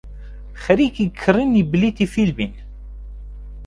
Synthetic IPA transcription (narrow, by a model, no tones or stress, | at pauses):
χəɾikikʰːəɾənibliθifilbin